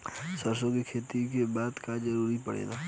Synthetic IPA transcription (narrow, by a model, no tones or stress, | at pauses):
səɾsõkikʰeːt̪ikebaːd̪kad͡ʒəɾuːɾipəɽḛːɡaː